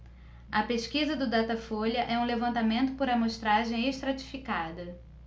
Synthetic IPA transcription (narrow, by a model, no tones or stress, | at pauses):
ɐpeʃkizɐd̪ʊd̪at̪ɐfoljɐʔɛũlevɐ̃nt̪amẽnt̪ʊpoɾɐmoʃt̪ɾaʒẽj̃eʃt̪ɾat͡ʃi̥fikad̪ɐ